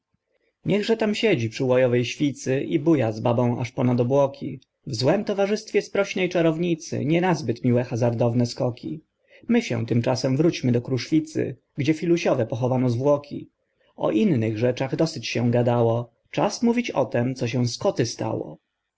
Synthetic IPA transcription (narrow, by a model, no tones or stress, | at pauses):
ɲɛɣʐɛt̪amɕɛd͡ʑipʂɘwɔjɔvɛjɕfʲit̪sɘʔibujazbabɔ̃w̃a̰ʂpɔnad̪ɔbwɔkʲi | vzwɛmt̪ɔvaʐɘst̪fʲjɛspɾɔɕnɛjt͡ʂaɾɔvɲit̪sɘ̰ɲɛnazbɘt̪mʲiwɛxazaɾd̪ɔvnɛskɔkʲʰi | mɘɕɛ̰̃w̃t̪ɘmt͡ʂasɛmvɾut͡ɕmɘd̪ɔkɾuʂfʲit̪sɘ̰ | ɡd͡ʑɛfʲiluɕɔvɛpɔxɔvanɔzvwɔkʲḭ | ɔ̰ʔinːɘɣʐɛt͡ʂaɣd̪ɔsɘt͡ɕɕɛɡad̪awɔ | t͡ʂasmuvʲit͡ɕɔ̰t̪ɛmt̪sɔɕɛw̃skɔt̪ɘst̪a̰wɔ̰